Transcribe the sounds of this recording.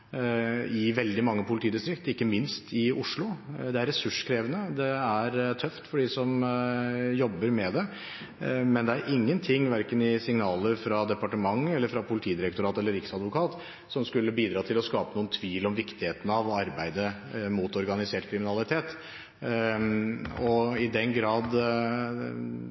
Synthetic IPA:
ɪʋɛld̪ɪmɑŋːəpʰʊlɪt̪ʰiːd̪ɪst̪ɾɪk̚t̪ɪkːəmɪnst̪ɪʊʂɭʊd̪ɛæɾːɛsʉʂkʰɾeːʋənəd̪ɛæɾt̪ʰœft̪fɔɖɪsɔm | jɔbːəɾmɛd̪ɛ | mɛnd̪ɛæɾʔɪŋːənt̪ʰɪŋːʋæɾkənɪsɪŋnɑːləɾfɾɑd̪ɛpɑʈəmɑŋːəɛlːəɾfɾɑpʰʊlɪt̪ʰiːd̪ɪɾɛkt̪ʊɾɑːt̪ɛlːəɾɪksɑd̪ʋʊkʰɑːt̪ | sɔmskʉlːəbiːd̪ɾɑːt̪ʰɪlɔskɑːpənuːənt̪ʰʋiːlɔmʋɪkt̪ɪheːt̪ən̩ɑʋɑɾbæɪd̪ə | muːt̪ɔɾɡɑnɪseːʈkʰɾɪmɪnɑlˠɪt̪ʰeːt̪ | ɔɪd̪ɛnɡɾɑːd̪

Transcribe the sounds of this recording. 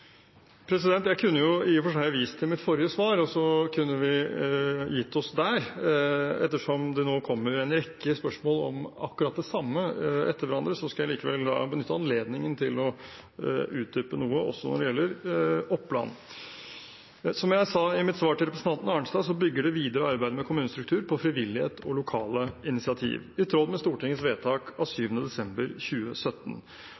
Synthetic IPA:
pʰɾɛsɪd̪ɛnt̪jæɪkʰʉnːəjʊɪfɔʂæɪɑʋiːsə̥t̪ʰɪlmɪt̪fɔɾɪjəsʋɑːɾɔsɔkʰʉnːəʋɪ | jɪt̪ʰːɔsd̪æɾ | ɛt̪ːəʂɔmd̪ɛnoːkʰɔmːəɾjʊɛnɾɛkːəspœʂmoːlɔ̰mɑ̰kːʉɾɑt̪̚d̪ɛsɑmːəɛt̪ːəɾʋæɾɑnd̪ɾəsɔskɑjæɪliːkəʋɛlːd̪ɑ̰bənʏt̪ːəɑnleːd̪nɪŋənt̪ʰɪlɔ | ʉːt̪̚d̪ʏpənuːəʔɔsːɔnɔɖɛjɛlːəɾɔpːlɑ̰n | sɔmjæɪsɑːɪmɪt̪sʋɑːʈɪlɾɛpɾəsn̩ʰɑnt̪n̩ɑːəɳsd̪ɑːsɔbʏɡːəɖɛʋiːd̪əɾəɔɑɾbæɪd̪əmɛkʰʊmʉːnəst̪ɾʉk̚t̪ʰʉːɾpʰɔfɾɪʋɪlːɪhḛːt̪ʰɔlʊkʰɑːləɪnɪsɪɑt̪ʰḭːʋɪt̪ʰɾɔd̪mɛst̪uːʈɪŋːəsʋeːt̪ʰɑːkɑsyːʋənəd̪ɛsɛmbəɾçʉːəsœt̪ːən̩

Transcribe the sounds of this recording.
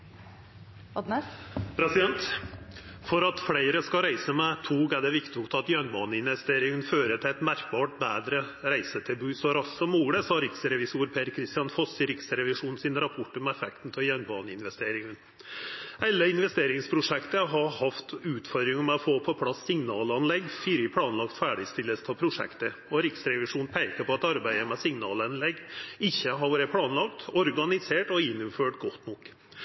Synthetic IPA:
ɑd̪nəpʰɾɛsɪd̪ɛnt̪ | fɔɾɑt̪fɽeɪɾəskɑɾæɪsəmɛt̪ʰuːɡæɖɛʋɪkt̪ɪʊkt̪ɑt̪jœnbɑːnəɪnʋɛst̪eːɾɪŋənføːɾət̪ʰɪɛɪt̪mæɾk̚bɑːʈ̚bæːd̪ɾə | ɾæɪsət̪ʰɛbʉːsɔɾɑsːɔmuːɡɽəsɑːɾɪksəɾɛʋɪsuːɾpʰeːɾkʰɾɪst̪ɪjɑnfɔsɪɾɪksəɾɛʋɪʂuːnsɪnɾɑpʰɔʈːəmɛɛfɛkt̪n̩t̪ʰɔjœnbɑ̰ːnəɪnʋɛst̪eːɾɪŋən | ɛlːəɪnʋɛst̪eːɾɪŋspʰɾʊʂɛkt̪əɦɑhɑft̪ʉːt̪fɔɾd̪ɾɪŋəmɛɔfoːpʰɔpʰlɑsːɪŋnɑːlɑnlɛɡfiɾɪpʰlɑːnlɑkt̪fæːɖɪst̪ɪlːəst̪ʰɑpʰɾʊʂɛ̰kt̪ə | ɔɾɪksɾɛʋɪʂuːnpʰæɪkəpʰɔɑt̪ɑɾbæɪd̪əmɛsɪŋnɑ̰ːlɑnlɛɡːɪçːəɦɑɾʋɑːɾəpʰlɑːnlɑkt̪ɔɾɡɑnɪseːʈɔɪnːʊmføːʈɡɔt̪ːnɔkː

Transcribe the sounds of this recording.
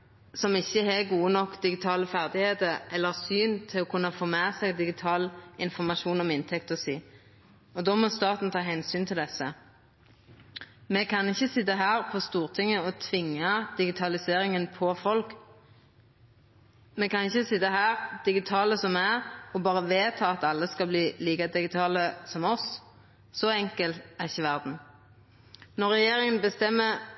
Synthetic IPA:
sɔmɪçːəɛɡuːənɔkːd̪ɪɡɪt̪ʰɑːləfæʁd̪ɪheːt̪əɾɛlːəʁsyːnt̪ʰɪlɔkʰʉnːəfoːmeːsɛɡd̪ɪɡɪt̪ʰɑːlɪnfɔʁmɑʃuːnɔmɪnt̪ʰɛkt̪ɔsiː | ɔd̪ɔmɔst̪ɑːt̪n̩t̪ʰɑːɦɛnsyːnt̪ʰɪld̪ɛsə | mɛkʰɑnɪçːəsɪt̪ːəɦæːʁpʰɔst̪uːʁt̪ʰɪŋːəɔt̪ʰʋɪŋːɑd̪̥ɪɡɪt̪ʰɑlɪseːɾɪŋənpʰɔfɔlk | mɛkɑnɪçːəsɪt̪ːəɦæːʁd̪̥ɪɡɪt̪ʰɑːləsɔmæɔbɑːʁəʋeːt̪ʰɑːɑt̪ɑlːəskɑbliːliːkəd̪ɪɡɪt̪ʰɑːləsɔmɔs | sɔɛŋkəlt̪æʁɪçːəʋæʁd̪n̩ | nɔʁɛjeːɾɪŋənbəst̪ɛmːə

